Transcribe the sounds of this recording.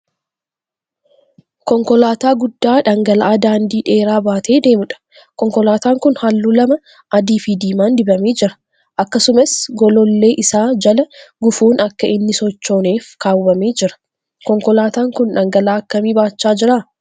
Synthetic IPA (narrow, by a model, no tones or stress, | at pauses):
kɔŋkɔlaːt̪aːɡʊd̪ːaːᶑɐŋɡɐlʔaːd̪aːnd̪iːᶑe̞ːɾaːbaːt̪ʰe̞ːd̪e̞ːmʊᶑɐ̥ | kɔŋkɔlaːt̪aːŋkʊnhɐlːuːlɐmɐ | ʔɐd̪iːfiːd̪iːmaːnd̪ɪbɐme̞ːd͡ʒɪɾɐ̥ | ʔɐkːɐsʊmɐsɡɔlɔlːe̞ːʔɪsaːd͡ʒɐlɐɡʊfuːnɐkːɐʔɪnːɪsɔt͡ʃːo̞ːne̞ːfkaːwːɐme̞ːd͡ʒɪɾɐ̥ | kɔŋkɔlaːt̪aːŋkʊnᶑɐŋɡɐlaːɐkːɐmiːbaːt͡ʃːaːd͡ʒɪɾaː